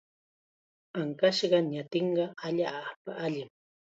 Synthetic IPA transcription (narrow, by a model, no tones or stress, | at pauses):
aŋkaʃɢɑɲat̪ɪɴɢɑaʎaːpaʔaʎɪm